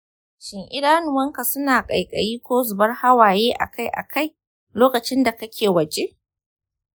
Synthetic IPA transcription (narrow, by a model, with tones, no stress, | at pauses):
ʃɪ˨ŋʔɪ˦daː˦nʊ˨wɐ˦ŋka˨sʊ˦naː˨kʼɐ˨jkʼɐ̰˨jiː˦kʷoː˦zʊ˨bɐ˦rha˦waː˨jeː˦ʔa̰˨ka˦jʔa̰˨kʰa˦˨j | loː˦kɐ˨t͡ʃɪ˦nda˨kɐ˦kʲʰeː˨wɐ˨d͡ʒe˦ʔ